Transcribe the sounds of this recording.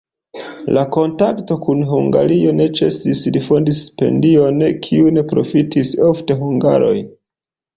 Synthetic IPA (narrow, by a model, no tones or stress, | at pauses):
lako̞ntakto̞kunɦuŋɡa̰ɾio̞ne̞t͡ʃe̞̰sisdifo̞ndispe̞̰ndio̞nkʰiune̞pɾo̞̰fitʰiso̞fte̞ɦuŋɡa̰ɾo̞̰j